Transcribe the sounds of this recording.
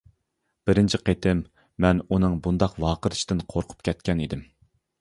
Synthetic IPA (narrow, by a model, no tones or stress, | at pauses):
b̥ɪɾɪnt͡ʃʰiqʰet̪ʰɪmː | ɛnunɨŋbund̪ɑqwɑːqəɾɨʃt̪ɪnqʰoɾqʰʊ̥pkʲʰɛt̪̚kʲɛnid̪ɪm